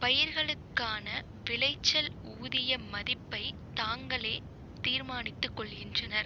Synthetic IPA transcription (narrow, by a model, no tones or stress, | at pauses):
pɐjɪɾɣɐɭɯkːaːnɐ | ʋɪlɐɪt͡ʃːɐl | uːðɪjɐmɐðɪpːɐɪt̪aːŋɡɐɭeː | t̪iːɾmaːnɪt̪ːɯkːɔɭɣɪndrɐnɐɾ